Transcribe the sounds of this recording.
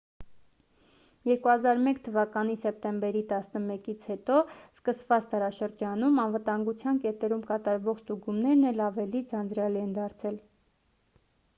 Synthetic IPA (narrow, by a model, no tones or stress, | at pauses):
jɛɾkuɑzɑɾmɛkt̪ʰəvɑkɑnisɛp̚t̪ɛmbɛɾit̪ɑsnəmɛkit͡sʰhɛt̪ɔskəsvɑt͡st̪ɑɾɑʃəɾd͡ʒɑnumɑnvət̪ɑŋɡut͡sʰjɑnkɛt̪ɛɾumkɑt̪ɑɾvɔχst̪uɡumnɛɾnɛlɑvɛlid͡zɑnd͡zɾjɑliɛnd̪ɑɾt͡sʰɛl